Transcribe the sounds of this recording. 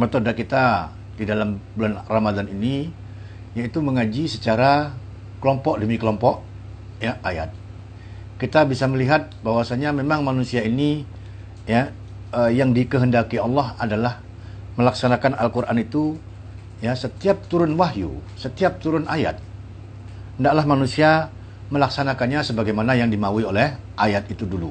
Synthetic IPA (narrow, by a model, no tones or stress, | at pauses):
mət̪odakit̪a | didalambulanramad̪anini | jait̪uməŋad͡ʒisət͡ʃaɾa | kəlɔmpɔʔ̚dəmikəlɔmpɔʔ | jaʔaja̰t̪̚ | kit̪abisaməliɦat̪̚bawasaɲamemaŋmanusiaini | ja | əjaŋdikəɦəndakiɑlːɑɦadalah | məlaksanakanalkuɾʔa̰nit̪u | jasət̪iap̚t̪uɾʊnwaɦjṵsət̪iap̚t̪uɾʊnaja̰t̪̚ | ndaʔlahmanusia | məlaksanakanɲasəbaɡajmanajaŋdimauiolɛh | ʔajat̪̚it̪udulu